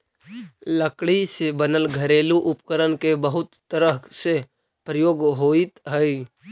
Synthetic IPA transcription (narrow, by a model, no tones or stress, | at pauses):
ləkɽisebənəlɡʱəɾeːluʔʊpkəɾənkebəɦʊt̪ːəɾəse | pɾəjoːɡɦoːit̪ɦəi